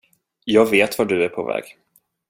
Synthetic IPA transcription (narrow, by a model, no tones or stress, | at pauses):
jɑːɡveːt̪vaɖɵæɾpʰɔ̰vɛ̰ːɡ̥